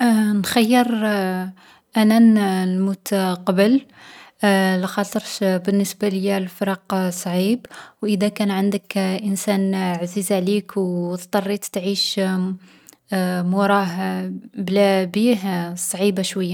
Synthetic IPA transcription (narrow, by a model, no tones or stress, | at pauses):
nxæjːəɾˤ | ʔænænlmut̪qɑbəl | læxɑt̪ˤəɾtbənːəsbaləjælfɾˤɑqsˤʕibwʔəd̪ækænʕənd̪əkʔənsænʕzizʕlikwt̪t̪ˤːɑrˤːit̪t̪ʕiʃ | mʊɾˤɑɦblæbiɦsˤʕibaʃwəjːa